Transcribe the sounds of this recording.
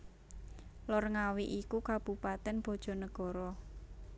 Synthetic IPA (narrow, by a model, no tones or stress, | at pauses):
lɔrŋawiʔikukab̥ṳpat̪ɛnb̥ɔ̤d̥ʒ̥ɔ̤nəɡ̥ɔ̤ɾɔ